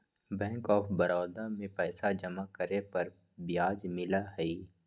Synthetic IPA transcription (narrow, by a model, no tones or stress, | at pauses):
bɛ̃ːŋkɔːfbɐɾɔːd̪amẽpɛːsad͡ʒəmakəɾepɐɾ | bɪjaːd͡ʒmɪlaɦɛiː